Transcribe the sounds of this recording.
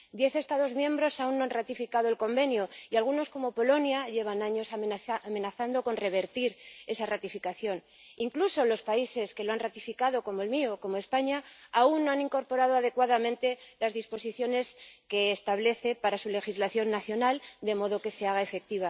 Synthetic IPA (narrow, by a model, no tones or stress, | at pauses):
d̪je̞θe̞st̪aðo̞zmjẽ̞mbɾo̞saunːoanrat̪ifikaðo̞e̞lko̞mbe̞njoialɣuno̞sko̞mo̞po̞lo̞njaʝe̞β̞anaɲo̞saame̞naθand̪o̞ko̞nre̞β̞e̞ɾt̪iɾe̞sarat̪ifikaθjo̞n | iŋkluso̞lo̞spaise̞ske̞loanrat̪ifikaðo̞ko̞moe̞lmioko̞moe̞spaɲaaunːoanĩŋko̞ɾpo̞ɾað̞oaðe̞kwaðamẽnt̪e̞lazðispo̞siθjo̞ne̞ske̞ːst̪aβ̞le̞θe̞paɾasule̞xizlaθjo̞nːaθjo̞nald̪e̞mo̞ðo̞ke̞se̞aɣae̞fe̞k̚t̪iβ̞a